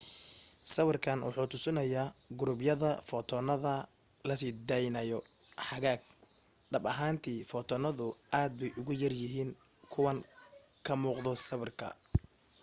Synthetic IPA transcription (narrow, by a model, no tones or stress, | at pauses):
sɐβɪrkʰɐnwɑ̰ħuːt̪ʰʊsɪnɐjaːɡʊɾʊbjɐðɐfɔt̪ʰɔnɐðɐ | lɐsɪd̪ɛjnɐjɔħɑɣaːɡ̚ | ɖɐbɐɦaːnt̪ʰiːfɔt̪ʰɔnɐðʊʔaːd̪̚bɛjʔʊɣʊjɐrjɪɦiːn | kʰʊwɐn | kʰɐmuːqðɔsɐβɪrkʰɐ̰